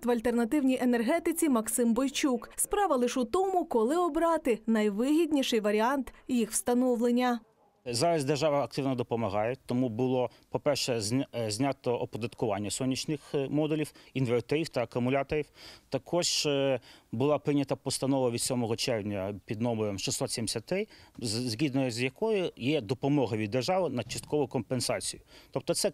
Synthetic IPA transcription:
t̪ʋɐlʲt̪ernɐt̪ɪwnʲijʔenerɦɛt̪ɪt͡sʲimɐksɪmbɔjt͡ʃukspɾɑʋɐlˠɪʃʊt̪ɔmʊkɔlˠɪɔbɾɑt̪ɪnɐjʋɪɦʲid̪ʲnʲiʃɪjʋɐɾʲiɑnt̪jixw̥st̪ɐnɔwlˠenʲːɐ | zɑɾɐzʲd̪erʒɑʋɐɐk̚t̪ɪwnɔd̪ɔpɔmɐɦɑjɛt̪ːɔmubʊlˠɔ | pɔpɛrʃɛzʲzʲnʲɑt̪ɔɔpɔd̪ɐt̪kʊʋɑnʲːɐsɔnʲːit͡ʃnɪxmɔd̪ulʲiwinʋert̪ɛɾʲiwt̪ɐːkʊmʊlʲɑt̪ɔɾʲiwt̪ɐkʰɔʒ | bʊlˠɑpɾɪnʲːɐt̪ɐpɔst̪ɐnɔʋɐʋʲid̪sʲɔmɔɦɔt͡ʃɛrwnʲɐpʲid̪nɔmɔɾɔmʃɪsːɔt̪sʲɛmsʲɐt̪ɪzʲɦʲid̪nɔjzʲjɐkɔjʊjɛd̪ɔpɔmɔɦɐʋʲid̪ːerʒɑʋɪnɐt͡ʃɐst̪̚kɔʋʊkɔmpensɑt͡sʲijʊt̪ɔp̚t̪ɔt̪sɛ

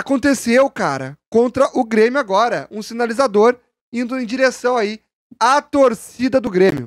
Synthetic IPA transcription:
akõnt̪esewkaɾɐ̰kõnt̪ɾɐʔʊɡɾẽmjʊaɡɔɾɐũsinalizad̪oɾ | ĩnd̪ʊẽj̃d͡ʒiɾesɐ̃w̃ai | at̪oɾsid̪ɐd̪ʊɡɾẽmʲjʊ

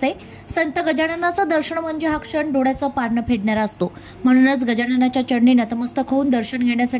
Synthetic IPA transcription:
t̪e | sənt̪əɡəd͡ʑaɽanat͡sad̪əɾɕəɳəm̤əɳd͡ʑeɦakʂəɳɖoɽjat͡səpaɾɳəpʰeɽɳjaɾaəst̪o | m̤əɽ̃unət͡sɡəd͡ʑaɽ̃anat͡ɕjat͡ɕəɽɳinat̪əməst̪əkʰəuːnd̪əɾɕəɳɡʱeɳjasaʈ

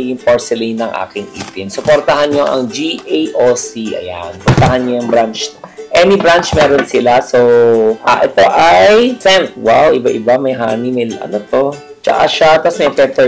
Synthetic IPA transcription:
ɡɪŋpoɹsɛlinɐŋʔa̰ːkɪŋʔḭːt̪ɪnsʊpoɾt̪ɐhanɲoʔɐ̰ŋd͡ʒiʔejʔosiʔɐ̰ja̰npɔɾt̪ɐɦanɲojʊŋbɾant͡ʃ̪ɐʔɛːnibɾant͡ʃmɛːɾonsɪlasoʔa̰ʔɛt̪o̞ʔajsɛnt̪̚wawʔɪbaʔɪbamɐjɦa̰ːnimɐlʔɐ̰not̪o̞ | t͡ʃɐ̰ʔa̰ʃat̪ɐsmɛjk̪ɛp̪ɛ

